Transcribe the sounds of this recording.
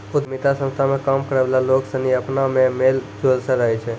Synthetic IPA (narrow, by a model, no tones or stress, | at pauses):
ʊd̪mɪt̪asə̃nst̪ʰamẽkaːmkəɾəʋlaloːksəniəpnamẽmeːld͡ʒoːlsəɾəɦet͡ʃʰɛ